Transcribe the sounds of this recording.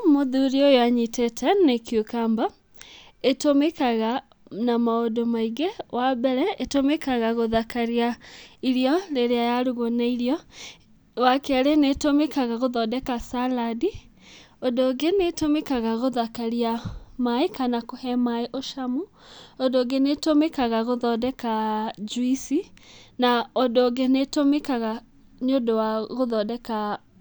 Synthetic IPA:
moðuɾiojoaɲitɛtʰɛnekjokamba | etomekaɣa | namaodomaiɣewabɛɾɛetomekaɣaɣoðakaɾiaiɾjɔleɾeajaɾuɣonaiɾiɔ | wakɛaɾenetomekaɣaɣoðɔdɛkasaladi | ɔdoːɡenetomekaɣaɣoðakaɾiamaekanakohɛmaeʔoʃamu | ɔndoɡenetomekaɣaɣoðɔdɛkad͡ʒwisinaɔdoɡenetomekaɣa | ɲodowaɣoðɔdɛka

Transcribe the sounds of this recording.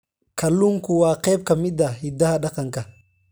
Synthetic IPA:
kɐlːuŋkʊwaːqɛːb̚kɐmɪd̪ɐhɪd̪ɐhɐɗɐqɐŋkɐ

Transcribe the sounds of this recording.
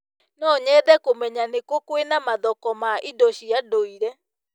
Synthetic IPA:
nɔɲɛðɛkomɛɲanekokwenamaðɔkɔmaʔidɔɕiadoiɾɛ

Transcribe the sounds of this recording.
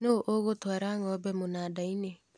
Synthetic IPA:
noʔoɣotoaɾaŋɔbɛmonadaine

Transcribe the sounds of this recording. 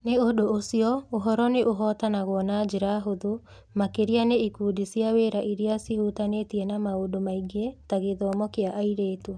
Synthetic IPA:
neodoosiɔoɦɔɾɔneʔoɦɔtanaɣwɔnad͡ʒeɾaɦoðo | makeɾianeikuːdisiaweːɾaʔiɾiasihutanetiɛnamaodomaiɡetaɣeðɔːmɔkeaʔaiɾeːtua

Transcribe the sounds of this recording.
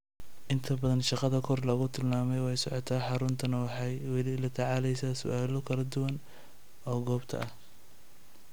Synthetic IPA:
ʔɪnt̪ʰɐbɐðɐnʃɑqɑðɐkʰɔrlɐɣʊt̪ʰɪlmaːmɛjwɛjsɔʕɔt̪ʰaːħɑɾʊnt̪ʰɐnɐwɑħɑjwɛlɪlɐt̪ʰɑʕɑːlɛjsaːsʊ̰ʔaːlɔkʰɐlɐd̪ʊwɐn | ɔːɡɔːbt̪ʰɐ̰ʔɐh

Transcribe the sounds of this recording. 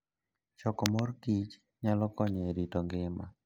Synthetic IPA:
t͡ʃɔkɔmɔɾkit͡ʃ | ɲalɔkɔɲɛɾitɔŋɡɪma̰

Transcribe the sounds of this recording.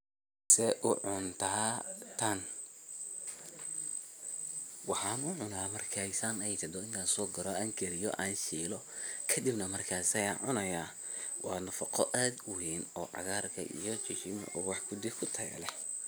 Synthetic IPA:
sɛʔʊʕʊnt̪ʰaːt̪ʰɐn | wɑħɑːnʊʕʊnaːmɐrkʰasaːnɛjt̪ʰɛd̪ɔɪŋkʰaːnsɔːɡɐɾɔaːŋkʰɛɾɪjɔ̰ʔaːnʃiːlɔ | kʰɐd̪ɪbnɐmɐrkʰaːsɐjaːnʕʊnɐjaː | wʔɑːnɐfɐqʰɔʔaːd̪ʊwiːnɔːʕɑ̰ɣaːrkʰɐ̰ʔḭjɔt͡ʃɪʃɪm̰ʔɔːwɑħkʰʊd̪ɪkʰʊt̪ʰɐ̰lɛ

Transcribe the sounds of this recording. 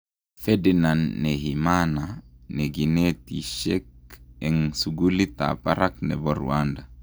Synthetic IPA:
fɛdinanːɛɦimananɛɡinɛtiʃɛk̚ɛŋsuɡulit̪a̰paɾaknɛ̰bɔɾṵwanda

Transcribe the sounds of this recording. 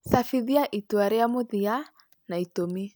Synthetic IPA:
safiðiaʔituaɾɛamoðia | naitomi

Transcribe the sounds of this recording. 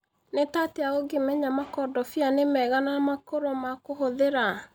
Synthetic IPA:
netateaoɡemɛɲamakɔdɔfianemɛɣanamakoɾomakoɦoðeɾa

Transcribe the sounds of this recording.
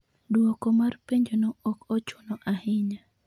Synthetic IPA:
dwɔkɔmarpeɲd͡ʒonoɔkot͡ʃonɔʔahɪɲa

